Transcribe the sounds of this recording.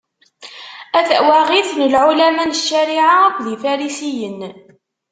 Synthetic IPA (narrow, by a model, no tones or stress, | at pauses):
æðæʔwaʁiθnəlʕulæmænəʃːæɾiʕaækʷðifæɾisijən